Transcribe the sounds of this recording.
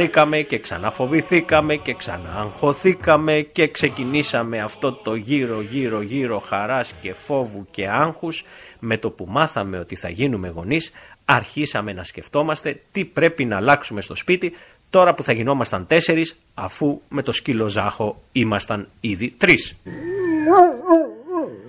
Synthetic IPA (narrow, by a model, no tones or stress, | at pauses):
ɾikɐme̞ce̞ksɐ̰nɐfo̞viθikɐme̞ce̞ksɐ̰nɐːŋxo̞θikɐme̞ce̞kse̞cinisɐme̞ɐft̪o̞t̪o̞ʝiɾo̞ʝiɾo̞ʝiɾo̞xɐɾɐsce̞fo̞vuce̞ɐŋxusme̞t̪o̞pumɐθɐme̞o̞t̪iθɐ̰ʝinume̞ɣo̞nisɐɾçisɐme̞nɐsce̞ft̪o̞mɐst̪e̞t̪ipɾe̞pinɐːlɐksume̞st̪ospit̪i | t̪o̞ɾɐpuθɐʝino̞mɐst̪ɐnt̪e̞se̞ɾis | ɐ̰fume̞t̪o̞scilo̞zɐxo̞ | imɐst̪ɐniðit̪ɾis